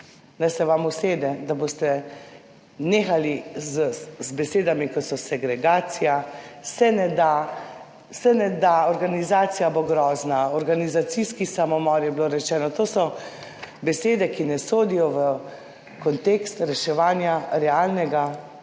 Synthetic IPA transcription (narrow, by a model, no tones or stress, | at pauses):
nɛjsɛʋamuseːd̪ɛd̪aboːst̪ɛ | neːxalizzbɛseːd̪amikɔt̪sɔsɛɡɾɛɡaːt̪sijasɛnɛd̪a | sɛnɛd̪aɔɾɡanizaːt̪sijaboɡɾɔːznaɔɾɡanizat̪siskisamɔmɔːɾjɛbloɾɛt͡ʃɛːnɔt̪oːsɔ | bɛseːd̪ɛkinɛsoːd̪ijɔʋə | kɔnt̪eːkst̪ɾɛʃɛʋaːnjaɾɛaːlnɛɡa